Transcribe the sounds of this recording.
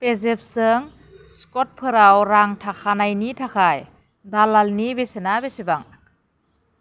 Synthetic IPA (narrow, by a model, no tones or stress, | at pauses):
pezep̚sɯŋ | skɔt̚pʰɯɾawɾaŋtʰakʰanajnitʰakʰaj | dalalnibesenabesibaŋ